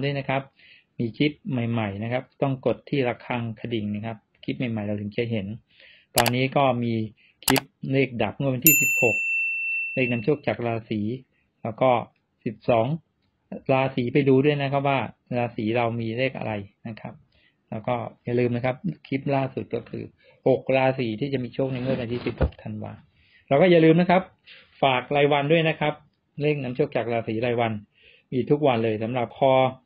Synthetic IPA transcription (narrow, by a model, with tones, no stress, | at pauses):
du˥˩əjna˦˥kʰa˦˥p̚ | miː˧kʰi˦˥p̚ma˨˩jma˨˩jna˦˥kʰa˦˥p̚t̪ɔ˥˩ŋko˨˩t̪ʰːiː˥˩ɾa˧kʰa˧ŋkʰa˧di˨˩ŋna˦˥˩kʰa˦˥p̚kʰi˦˥p̚ma˨˩jma˨˩jɾa˧wt̪ʰɯ˩˦ŋkʰi˧ə˧ɦe˩˦n | t̪ɔː˧nːiː˦˥kɔː˥˩miː˧ | kʰi˦˥p̚leː˥˩k̚da˨˩p̚ŋu˥˩˨we˧nt̪ʰiː˥˩si˨˩p̚ho˨˩k̚leː˥˩k̚na˧mt͡ɕʰu˥˩ək̚t͡ɕa˨˩k̚ɾaː˧siː˩˦ | lɛː˦˥wkɔː˥˩ | si˨˩p̚sɔː˩˦ŋ | ɾaː˧siː˩˦pa˧jduː˧du˥˩əjna˦˥kʰa˦˥p̚waː˥˩ɾaː˧siː˩˦ɾa˧wmiː˧ɾe˥˩k̚ʔa̰˧ɾa˧jna˦˥kʰa˦˥p̚ | lɛː˦˥wkɔː˥˩ja˨˩lɯː˧mna˦˥kʰa˦˥p̚kʰi˦˥p̚laː˥˩su˨˩t̪̚kɔː˥˩kʰɯ̰ː˧ | ho˨˩k̚ɾaː˧siː˩˦t̪ʰiː˥˩t͡ɕa˨˩ʔmiː˧t͡ɕʰu˥˩k̚na˧jŋɯ˥˩ʔa˧t̪ʰi˦˥˩si˨˩p̚ho˨˩k̚t̪ʰa˧nwa̰ː˧ | ɾɛ˧˥wkɔː˥˩ja˨˩lɯː˧mna˦˥kʰa˦˥p̚ | faː˨˩k̚ɾaː˧jwa˧ndu˥˩əjna˦˥kʰa˦˥p̚ | ɾe˥˩ŋna˦˥mt͡ɕʰu˥˩kt͡ɕa˨˩k̚ɾaː˧siː˩˦ɾaː˧jwa˧n | miː˧t̪ʰu˦˥k̚wa˧nlɤː˧jsa˩˦mɾa˨˩p̚kʰɔː˧˩